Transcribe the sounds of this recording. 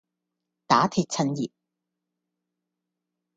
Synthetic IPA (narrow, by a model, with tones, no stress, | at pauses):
t̪aː˨˥t̪ʰiː˧t̚t͡sʰɐ˧njiː˨p̚